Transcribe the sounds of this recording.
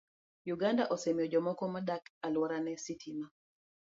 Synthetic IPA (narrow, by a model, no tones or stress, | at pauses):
juɡandaʔɔsemjɔd͡ʒɔmɔkɔmadakalwɔɾanɛsitʰima